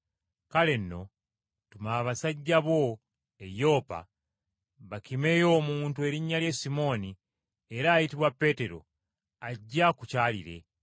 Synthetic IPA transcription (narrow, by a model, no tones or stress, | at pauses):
kale̞nːo̞ | tumaːβasaɟːaβo̞ | ejo̞ːpa̰ | βakime̞ːjo̞ːmuːntue̞ɾiɲːalje̞simo̞ːni | e̞ɾaːjitiβwapːe̞ːte̞ɾo̞̰ | aɟːakucaːlḭɾe̞̰